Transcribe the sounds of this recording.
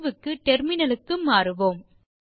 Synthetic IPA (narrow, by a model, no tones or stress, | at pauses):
ʋɯkːɯʈɛɾmɪnɐlɯkːɯmːaːɾɯʋoːm